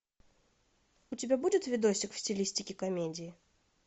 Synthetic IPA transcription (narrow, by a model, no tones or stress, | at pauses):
ut͡sʲibʲabud͡zʲɪt̪ʲvʲid̪ɔsʲikwsʲt͡sʲilʲisʲt̪ʲikʲikamʲed͡zʲiji